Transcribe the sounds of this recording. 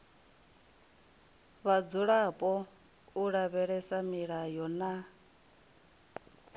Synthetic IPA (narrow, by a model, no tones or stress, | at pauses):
βad͡zuɺapʼɔ | uɺaβɛɺɛsamiɺajɔna